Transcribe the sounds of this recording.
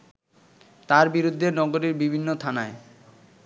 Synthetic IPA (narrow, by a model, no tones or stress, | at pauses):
t̪aɾbiɾud̪ʱːenɔɡoɾiɾbibʱinːot̪ʰanae